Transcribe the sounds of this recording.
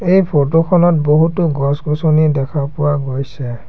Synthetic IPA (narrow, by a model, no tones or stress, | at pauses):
ejpʰotokʰɔnɔt̚boɦutʊɡɔsɡɔsonidɛkʰapʊwaɡojsɛ